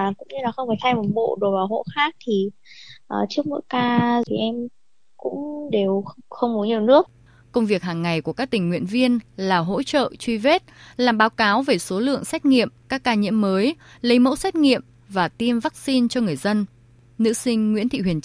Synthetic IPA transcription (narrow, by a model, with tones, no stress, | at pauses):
kʊ̰˧˥ŋ͡mɲɨ˧laː˨˩xə˧wŋ͡mfaː˧˩t̪ʰa˧jmo˨˩t̚ɓo̰˧˨ɗo˨˩vaː˨˩ɦo̰˧˥xaː˦˥k̚t̪ʰi˨˩ | ʔəː˨˩t͡ɕɨ˦˥ək̚mo̰˧˥˨jkaː˧t̪ʰi˨˩ʔɛ˧m | kʊ̰˧˥ŋ͡mɗe˨˩wxə˧wŋ͡mmu˨˦ɲi˨˩əwnɨ˦˥ək̚ | kə˧wŋ͡mvi˨˩ək̚haː˨˩ŋːa˨˩jku˧˩əkaː˦˥k̚t̪ï˨˩ŋ̟ːwḭ˧˨ənvi˧ənlaː˨˩ɦo̰˧˥t͡ɕə̰ː˧˨t͡ɕwi˧ve˦˥t̚laː˨˩mɓaː˨˦wkaː˨˦wve˨˩so˨˦lɨ̰˧˨əŋsɛ˦˥t̚ŋḭ˧˨əmkaː˦˥kːaː˧ɲḭ˧˥əmːəː˨˦j | lə˨˦jmo̰˧˥sɛ˦˥t̚ŋḭ˧˨əm | vaː˨˩t̪i˧mvaː˦˥k̚si˧nt͡ɕɔ˧ŋɨ˨˩əjzə˧n | nɨ̰˧˥sï˧ŋ̟ŋwḭ˧˥nt̪ʰḭ˧˨hwi˨˩ənt͡ɕ